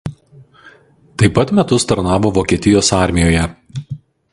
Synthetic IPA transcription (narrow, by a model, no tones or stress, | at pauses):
t̪ɐɪpɐt̪mʲɛt̪ʊst̪ɐɾnɑːʋoːʋoːkʲiɛt̪ʲɪjoːsɑːˑɾʲmʲɪjoːjɛ